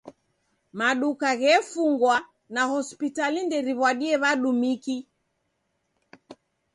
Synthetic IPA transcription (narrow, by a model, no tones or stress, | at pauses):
maɗukaɣɛfuŋɡwa | nahɔspitalindɛɾiβwaɗiɛβaɗumiki